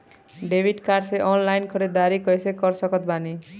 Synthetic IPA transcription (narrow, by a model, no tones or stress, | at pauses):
ɖebʱiɖkarseʔɔnlajnkʰʌɾed̪aɾikʌjsekʌrsʌkʌt̪̚bani